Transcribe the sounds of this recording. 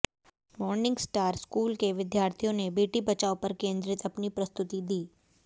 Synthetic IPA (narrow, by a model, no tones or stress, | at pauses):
mɔɾnɪŋɡsʈaɾskulkeʋɪd̪jaɾt̪ʰijonebeʈibət͡ʃaopəɾkẽnd̪ɾɪt̪əpnipɾəst̪ut̪id̪iː